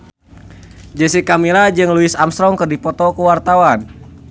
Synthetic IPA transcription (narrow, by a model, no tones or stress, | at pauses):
d͡ʒəsikamilad͡ʒɨŋluɪsamst̪ɾɔŋkərdipɔt̪ɔkəwart̪awan